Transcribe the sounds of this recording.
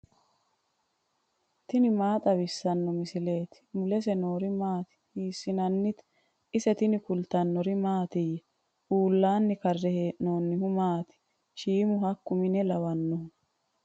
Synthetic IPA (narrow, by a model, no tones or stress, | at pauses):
t̪ɪnɪmaːt̪ʼɐbɪsːɐnːɔmɪsɪle̞ːt̪ɪ̥mʊlɛs̬ɛnoːɾɪmaːt̪ɪ̥hiːsːɪnɐnːɪt̪ | ɪsɛt̪ɪnɪkʊlt̪ɐnːɔɾɪmaːt̪ɪjɛ | ʔuːlːaːnːɪkɐrːɛheːʔno̞ːnːɪhʊmaːt̪ɪ̥ | ʃiːmʊɦɐkːʊmɪnɛlɐwɐnːɔ